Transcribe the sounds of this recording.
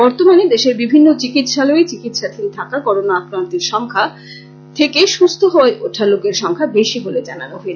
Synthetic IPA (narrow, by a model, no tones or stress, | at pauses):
bɔɾt̪omaned̪eʃeɾbibʱinːot͡ɕikit̪ʃaloet͡ɕikit̪ʃat̪ʰilt̪ʰakakɔɾonaakɾant̪eɾʃɔŋkʰa | t̪ʰekeʃust̪ʰoɦoeʔoʈʰalokeɾʃɔŋkʰabeʃiɦoled͡ʑananoɦe